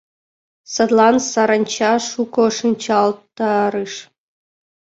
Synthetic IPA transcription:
sɤd̪lˠɑnsɑɾɑnʲt͡ɕɑʂukoʂɨnʲt͡ɕɑlˠtt̪ɑɾɨʂ

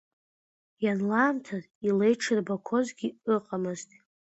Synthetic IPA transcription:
janlaːmtʰaz | ilejʈ͡ʂʰɨrbakʷʰo̞zɡʲiɨqʼamɨztʼ

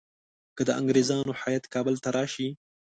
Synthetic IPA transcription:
kəd̪əʔa̰ŋɡɾezɑnoħajat̪kɑbəlt̪aɾɑʃi

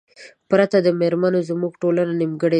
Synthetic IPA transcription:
pɾat̪ad̪əmeɾmanozmuɡʈolananimɡəɽe

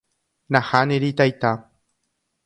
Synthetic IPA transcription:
naxaneɾit̪ajt̪a

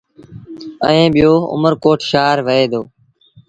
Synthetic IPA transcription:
ə̰ẽːɓɪjoːʊ̰məɾkoːʈʰʃaːɾʋəeːd̪oː

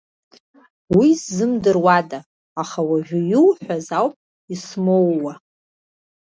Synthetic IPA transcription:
wizːɨmdɨrwadaː | χawaʒʷᶣʊjulħᶣʷazawpʼ | ismowːa

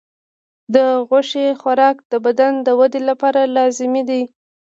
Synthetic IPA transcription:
d̪əɣʊʃexwaɾɑkd̪əbad̪and̪əwad̪elapɑɾalɑzɪmid̪i

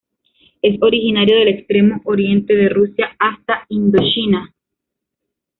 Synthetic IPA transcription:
e̞so̞ɾixinaɾjo̞ðe̞le̞kst̪ɾe̞moʔoɾje̞nt̪e̞ðe̞rusjaast̪aind̪o̞t͡ʃina

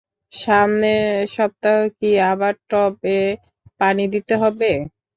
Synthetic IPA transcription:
ʃamneʃɔb̚t̪aɦokiabaɾʈɔbe | panid̪it̪eɦɔbe

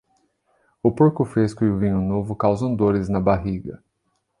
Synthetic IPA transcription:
ʊpoɾkʊfɾeskʊɪʊvĩɲʊnovʊkawzɐ̃w̃d̪oɾɪznɐbaɦiɡɐ

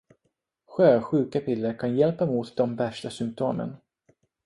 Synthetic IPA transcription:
ɧøːɧʉ̟ːkapʰɪlːəɾkʰanjɛlpamuːt̪d̪ɔmvæʂʈasʏmp̚t̪ʰoːmə̰n

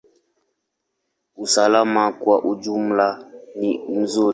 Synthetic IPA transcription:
usalamakwaʔud͡ʒum̩lanin̩zu

